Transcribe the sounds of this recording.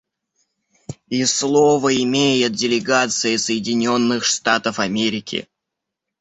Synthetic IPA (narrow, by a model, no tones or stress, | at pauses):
islˠovəɪmʲejɪt̪̚dʲɪlʲɪɡat̪sɨjɪsəjɪdʲɪnʲo̞nːɨxʂt̪at̪əfɐmʲeɾʲɪkʲɪ̰